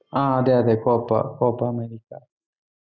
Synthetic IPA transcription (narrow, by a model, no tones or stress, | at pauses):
ããd̪ead̪ekopa̰kopameɾika